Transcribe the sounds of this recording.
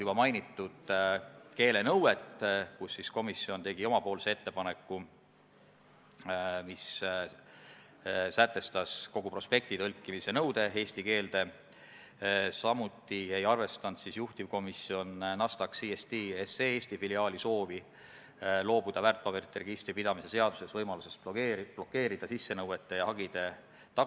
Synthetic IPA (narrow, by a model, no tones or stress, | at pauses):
jub̥ɑmɑjnit̪ːˑud̪̥ke̞ːle̞nɤwe̞t̪kusːisko̞misio̞nt̪e̞ɡ̥io̞mɑpo̞ːlse̞e̞t̪ːe̞pɑne̞kˑːu | mis | sæt̪ːˑe̞st̪ɑsko̞ɡ̥upro̞spe̞k̚t̪it̪ɤlkːˑimise̞nɤwd̪̥e̞e̞ːsʲt̪ike̞ːld̪̥e̞ | sɑmut̪ˑːiejɑrve̞st̪ɑnd̪̥sisjuht̪ivko̞misio̞nnɑst̪ɑksiest̪iːeseeːsʲt̪ifiliɑːliso̞ːvi | lo̞ːbud̪̥ɑvært̪̚ːpɑbert̪ːerɡist̪ɾipid̪̥ɑmise̞se̞ɑd̪̥use̞svɤjmɑluse̞spːb̥lo̞kːe̞ːɾid̪ɑsisːe̞nɤwe̞t̪ːˑe̞jɑhɑɡid̪̥e̞ | t̪ɑ